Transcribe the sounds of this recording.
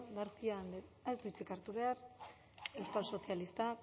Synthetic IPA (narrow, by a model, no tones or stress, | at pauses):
daɾθiand̪eezd̪uit͡sikaɾt̪uβe̞aɾ | ewskalso̞θjalist̪a